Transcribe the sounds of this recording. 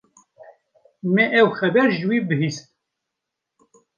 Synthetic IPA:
mɛʔɛwxɛbɛɾʒɨwibɨhist̪̚

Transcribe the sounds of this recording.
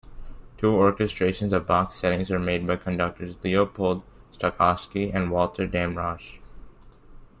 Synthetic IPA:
tʰuːɔɹkɨstɹeɪʃə̃nzʌvbɑksɛɾɪ̃ŋzə˞meɪd̚baɪkʰə̃ndʌk̚tə˞zliopʰoːlˠdstəkʰɑskiæ̃nwɔlˠtʰə˞dæ̃mɹɑʃ

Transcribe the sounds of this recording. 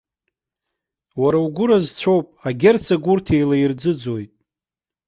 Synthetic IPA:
waɾauɡʷʊɾazt͡sʷʰowpʼaɡʲert͡sʰaɡʷʊrtʰe̞jlaird͡zɨd͡zojtʼ

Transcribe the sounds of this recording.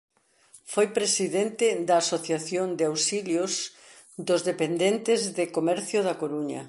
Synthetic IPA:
fojpɾesiðent̪ɪd̪ɐːsoθjaθjond̪eawsiljos | d̪ʊzðepend̪ent̪ɪzðɪkomɛɾθjʊðɐkoɾuɲɐ̰

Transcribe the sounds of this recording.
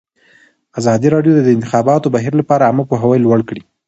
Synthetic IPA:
azɑd̪iɾɑɖjod̪ad̪əɪnt̪ɪxɑbɑt̪obaɦiɾlapɑɾaːməpoɦawəjlwaɽkɽi

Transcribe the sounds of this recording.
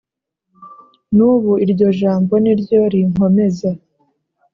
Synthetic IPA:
nuːβuiɾɟo̞ʒaːmbo̞niɾɟo̞ɾiŋ̥o̞me̞za

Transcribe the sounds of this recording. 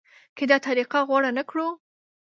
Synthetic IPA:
ked̪ɑt̪aɾiqaɣwaɽanakɽu

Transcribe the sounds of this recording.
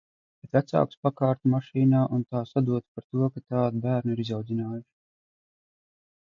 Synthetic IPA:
b̥et̪væt̪sa̰wkspakaːɾt̪umaʃiːnaːʔunt̪aːsad̪uɔt̪paɾt̪uɔkat̪aːd̪bæːɾniɾizawd̪zinaːjuʃ

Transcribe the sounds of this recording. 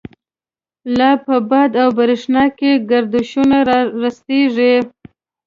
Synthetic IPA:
lapəbɑd̪awbaɾɪʂnɑkeɡaɾd̪ʊʃunaɾɑɾast̪eʐi

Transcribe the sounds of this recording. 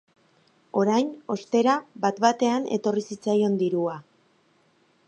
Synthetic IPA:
o̞ɾajno̞st̪e̞ɾabat̪bat̪e̞ane̞̰t̪o̞risit͡sajo̞nd̪iɾua

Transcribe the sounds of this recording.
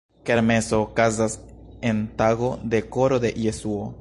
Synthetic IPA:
ke̞ɾme̞so̞kazase̞nt̪aɣo̞d̪e̞ko̞ɾo̞d̪e̞ʔjesuo

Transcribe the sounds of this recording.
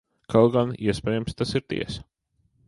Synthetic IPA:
kʰalˠɡaniɛspɛːjamst̪asiɾt̪ḭɛsḁ

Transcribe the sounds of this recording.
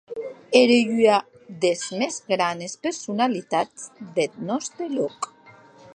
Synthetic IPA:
eɾejya | d̪ezmezɡɾanespeɾsunalit̪at͡sd̪et̪̚nɔst̪ɾelɔk

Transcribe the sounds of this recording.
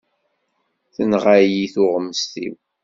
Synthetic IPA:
θənʁajiθʊʁəmːəst̪ḭw

